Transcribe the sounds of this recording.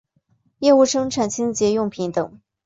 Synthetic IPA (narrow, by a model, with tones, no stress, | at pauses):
jɛ˥˧u˥˩ʂɤ˥ŋʈ͡ʂʰa˨˩nt͡ɕʰi˥nt͡ɕjɛ˧˥jʊ˥˩ŋpʰi˧˥nt̪ɤ˨˩˦ŋ